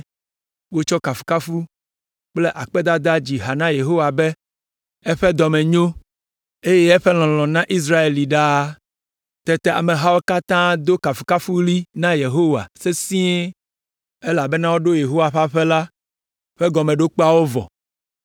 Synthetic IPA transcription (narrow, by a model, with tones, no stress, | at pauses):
wo˦t͡ʃɔ˦ka˨fu̥˨ka˦fu˦ | k͡ple˦ʔa˨k͡pɛ˦d̪a˦d̪a˦d͡ʑi˨ɦa˨nã˦je˨ɦo˦wa˨be˦ | ɛ˦ɸɛ˦d̪ɔ˨mẽ˨ɲõ˦ | e˦je˦ɛ˦ɸɛ˦l̃ɔ̃˨l̃ɔ̃˨nã˦ʔi˦s̬ɾa˦e˨li˨ɖa˦ | t̪ɛ˨t̪ɛ˦˨a̰˨me˨ɦa˦wo˦ka˦t̪ã˦d̪o˦ka˨fu̥˨ka˦fu˦li˦nã˦je˨ɦo˦wa̰˨se˦sĩ˦e˦ | e˦la˨be˦nã˦wo˦ɖo˦je˨ɦo˦wa˨ɸa˦ɸe˦la˦ | ɸe˦ɡɔ˨mẽ˨ɖo˦k͡po˦a˦˨wo˦vɔ̰˨